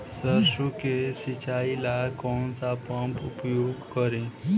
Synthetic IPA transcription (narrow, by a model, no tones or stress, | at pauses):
səɾʃɾukesɪt͡ʃaːilakɔːnsapãmpʊpjoːɡkəɾẽ